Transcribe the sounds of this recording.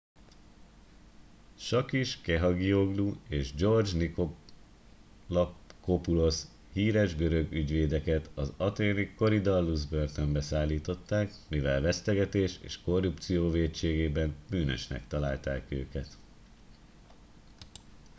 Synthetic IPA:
ʃɒkiʃkɛɦɒɡio̞ɡlueːʒd͡ʒo̞rd͡ʒniko | lkopulo̞s | hiːɾɛʒɡøɾø̞ɡyɟʋeːd̪ɛkɛt̪ɒzɒt̪eːniko̞ɾid̪ɒlːuzbørt̪ømbɛsaːlːiːt̪o̞t̪ːaːkmivɛlvɛst̪ɛɡɛt̪eːʃḛːʃko̞rːup̚t̪sijoːveːtt͡ʃeːɡeːbɛnbyːnø̰ʃnɛ̰kt̪ɒlaːlt̪aːkø̰ːkɛt̪

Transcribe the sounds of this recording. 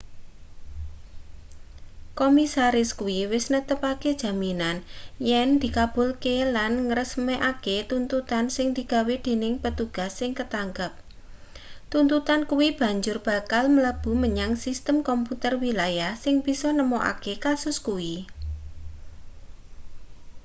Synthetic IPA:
komisaɾɪskuiwɪsnət̪əpaked̥ʒ̥a̤minanjɛnd̪̥i̤kab̥ʊ̤lkelanŋəɾəsmɛʔaket̪unt̪ut̪ansɪŋd̪̥i̤ɡ̥a̤wed̪̥e̤nɪŋpət̪uɡ̥a̤sːɪŋkət̪aŋɡap̚ | t̪unt̪ut̪ankuwib̥a̤ɲd͡ʒʊrb̥a̤kalmələb̥ṳməɲaŋsist̪əmkɔmput̪ərwilajahsɪŋb̥isɔnəmoʔa̰kekasʊskuwi

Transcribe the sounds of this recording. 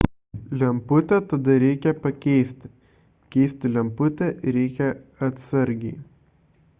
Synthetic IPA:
lʲɛmpʊt̪ʲɛt̪ɐd̪ɐɾʲɛɪkʲɛpɐkʲɛɪsʲt̪ʲɪ | kʲɛɪsʲt̪ʲɪlʲɛmpʊt̪ʲɛɾʲɛɪkʲɛɐt̪sɐɾʲɡʲɛɪ

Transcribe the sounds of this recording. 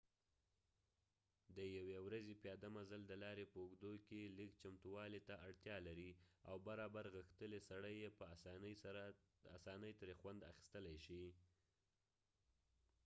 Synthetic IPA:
d̪əjawewɾazepjɑd̪amazald̪əlɑɾepəʊɡd̪okelikt͡ʃamt̪uwɑlet̪aaɽt̪jɑlaɾiawbaɾɑbaɾɣəxt̪əlesaɽəjːepə | asɑnəjt̪əɾexwand̪a̰xi̥st̪əlajʃi

